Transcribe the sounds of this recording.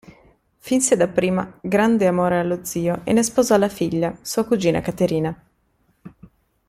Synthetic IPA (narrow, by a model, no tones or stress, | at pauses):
finsed̪apːɾiːma̰ɡɾand̪eamoːɾealːod̪ziːoʔḛnːespoːzɔalːafiʎːasuːakud͡ʒiːna̰kat̪eɾiːna